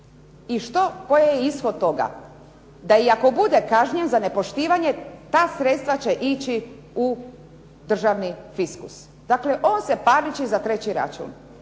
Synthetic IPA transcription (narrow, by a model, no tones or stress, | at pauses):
iʃt̪o̞ko̞jejeisxo̞d̪̚t̪o̞ɡa̰ | d̪aiako̞bud̪ekaʒɲenzane̞po̞ʃt̪iːʋaɲe̞t̪aːsɾet̪st̪ʋat͡ɕe̞ʔit͡ɕi | u | d̪r̩ʒaʋnifiskus | d̪akle̞ʔo̞ːnsepaɾit͡ɕizat̪ɾe̞t͡ɕiɾa̰t͡ʃṵːn